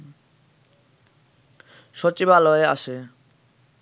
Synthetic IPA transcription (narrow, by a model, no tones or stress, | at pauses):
ʃɔt͡ɕibaloea̰ʃe